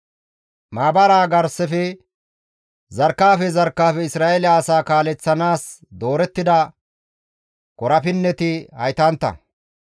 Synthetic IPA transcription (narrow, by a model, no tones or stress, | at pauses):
maːbɐɾaːɡɐɾsɛfɛ | zɐɾkːaːfɛzɐɾkːaːfɛɪsɾaːʔelɪaːsaːkaːlɛt͡sːɐnaːsd̪o̞ːɾɛt̪ːɪd̪ɐ | kɔɾɐfɪnːɛt̪ɪhɐjt̪ɐnt̪ːɐ̰